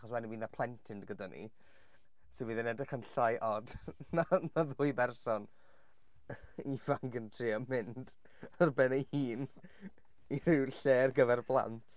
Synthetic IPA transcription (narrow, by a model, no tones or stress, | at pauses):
χɔswɛniwiːnðapʰlˠɛntʰɪndɡədanʔḭ | sɪviːðɛnɛdɪkənɬajʔɔdnanaðʊjbɛrsɔn | ivaŋɡəntʰriɔmɪnd | ɔrbɛnaiːn | irɪwɬeːrɡəvɛrblˠa̰ntʰ